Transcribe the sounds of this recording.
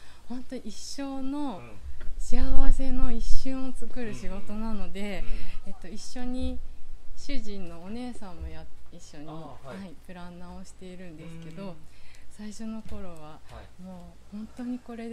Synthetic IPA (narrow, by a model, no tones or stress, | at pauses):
hõ̞nt̪o̞iɕːo̞ːno̞ | ɕiaβase̞no̞iɕːɨ̃ɰ̃ot͡sɨkɯ̟ɾɯ̟ɕiɡo̞t̪o̞nano̞d̪e̞et̪ːo̞iɕːo̞ɲ̟i | ɕɨʑĩnːo̞ːne̞ːsãmːo̞jat̪iɕːo̞ɲ̟ihaipɯ̟ɾãnːao̞ɕi̥t̪e̞iɾɯ̟̃nd̪e̞sɨ̥ke̞d̪o̞saiɕo̞no̞ko̞ɾo̞β̞amoːhõ̞nt̪o̞ɲ̟iko̞ɾe̞